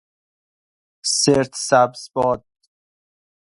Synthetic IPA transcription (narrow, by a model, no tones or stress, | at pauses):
seɾt̪ʰsæbsbɔːd̪̚